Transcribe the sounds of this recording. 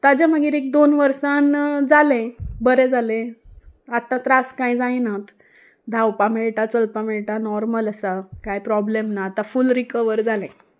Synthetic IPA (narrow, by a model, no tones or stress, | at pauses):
t̪ad͡ʑaməɡiːɾek̚d̪onʋəɾsand͡zalɛ̃bəɾɛ̃d͡zalẽ | at̪ːãt̪ɾaskãid͡zajinat̪ | d̪ʱawpameɭʈat͡səlpameɭʈanɔɾmələsakajpɾɔblemnaːt̪afulɾikəʋəɾd͡zalɛ̃